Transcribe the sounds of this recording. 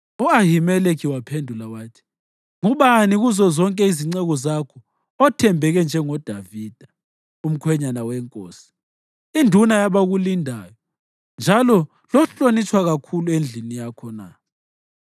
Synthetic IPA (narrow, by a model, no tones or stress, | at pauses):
ɔaɦimɛlekʰiwapʰendʱulawaːtʰi̥ | ŋuβaniɣuzɔzɔŋkʼɛiziŋ͡ǀɛɣɔzakʰɔ | ɔtʰɛmbʱɛɣɛnd͡ʒʱɛŋɔd̥ʱaviːd̥ʱa | um̩kʰwɛɲanawɛŋkʼo̰ːsi̥ | indʱunajaβaɣulindʱaːjɔ | nd͡ʒʱalɔ | lɔɬonit͡ʃʰʼwaɣakʰuluend͡ɮʱinijakʰɔna̰